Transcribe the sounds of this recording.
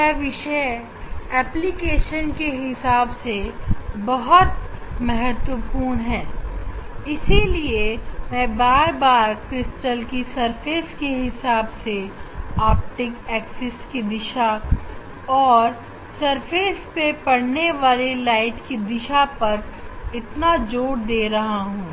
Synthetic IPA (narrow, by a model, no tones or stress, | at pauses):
ɛʋɪʃe | ɛːplikeːʃənkeɦɪsaːbsebɐɦʊt̪mɛɦət̪wəpuːɾɳ̃ɦɛː | ɪsiliemɛ̃ːbaːɾbaːɾkɾɪsʈəlkisɐɾfʰeːskeɦɪsaːbseaːp̚ʈɪkɛːksɪskid̪ɪʃa | ɔːɾ | sɐɾpʰeːspepɐɽneʋaːlelaːɪʈkid̪ɪʃapɐɾɪt̪nad͡ʒoːɽd̪eːɾɐɦaɦũː